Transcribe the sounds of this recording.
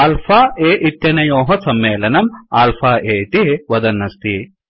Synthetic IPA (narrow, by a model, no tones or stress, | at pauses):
aːlfaːeːʔit̪jɐnɐjoːɦɐsɐmːeːlɐnɐmaːlfʰaːʔeːit̪iʋɐd̪ɐnːɐst̪i